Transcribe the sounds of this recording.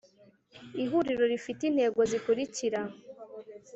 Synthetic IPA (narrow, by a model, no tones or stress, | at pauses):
iɦuɾiɾo̞ɾifitin̥he̞ːɡo̞zikuɾiciɾa